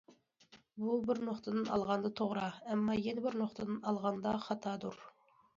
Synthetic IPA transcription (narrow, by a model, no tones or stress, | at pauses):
bubɪɾnoqt̪ʰəd̪ɨnɑlˠʁɑnd̪ɑt̪ʰoʁɾɑɛmːɑːjenɪbɪɾnoqt̪ʰəd̪ɨnɑlˠʁɑnd̪ɑχɑt̪ʰɑːd̪uɾ